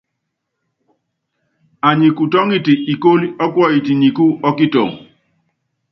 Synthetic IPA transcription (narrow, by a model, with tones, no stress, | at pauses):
a˨ɲi˨ku˨tɔ˦ŋi˦ti˨i˨ko˦li˦ɔ˦kwɔ˦i˨ti˨ɲi˨ku˦ɔ˦ki˦tɔ̰˨ŋ